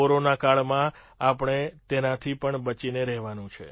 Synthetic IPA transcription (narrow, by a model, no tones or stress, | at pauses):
oɾonakaɭmã | apɳ̃et̪enat̪ʰipəɳbət͡ʃineɾɛɦʋanũt͡ʃʰḛ